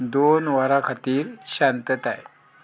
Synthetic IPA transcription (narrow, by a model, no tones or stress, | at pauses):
d̪onʋaɾakʰat̪iːɾɕant̪ət̪a̰j